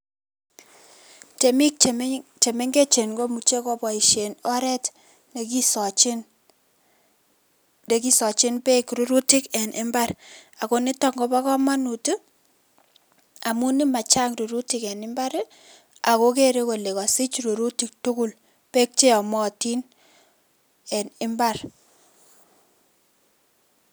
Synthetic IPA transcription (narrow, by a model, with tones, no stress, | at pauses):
te˨mi˦kt͡ʃe˨me˦ŋɡe˦t͡ʃe˨nɡo˦mu˨t͡ʃe˦kɔ˨pɔ˨i˨ʃe˨nɔ˦ɾɛ˦t | ne˨ki˦sɔ˨t͡ʃn | de˨˦ki˦sɔ˨t͡ʃɪ˦npe˦kɾu˦ɾu˦ti˦kɛ˨nʔɪ˦mba˦ɾa˨ko˦ni˦tɔ˦ŋɡo˦ba˦kɔ˦ma˦nu˨tu˦ | a˨mu˦ni˦ma˨t͡ʃa˦ŋɾu˨ɾu˦ti˦kɛ˨nɪ˦mba˦ɾe˦ | a˨ko˦k̬e˦ɾe˦ko˨le˨kɔ˨si˦t͡ʃɾu˨ɾu˦ti˦k̚tu˦ku˦l | pe˦k̚t͡ʃe˦ɔ˨mɔ˦ti˦n | ɛ˨nɪ˦mba˦r